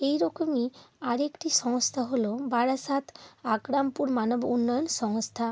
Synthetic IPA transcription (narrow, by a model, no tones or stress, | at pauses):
ejɾɔkomiaɾekʈiʃɔŋst̪ʰaɦolobaɾasat̪ʰakɾampuɾmanobunːɔjɔnsɔŋst̪ʰa